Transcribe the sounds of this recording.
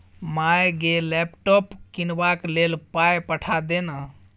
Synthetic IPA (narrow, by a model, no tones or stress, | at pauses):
majɡelɛpʈɔpkinbaklelpajpəʈʰad̪enə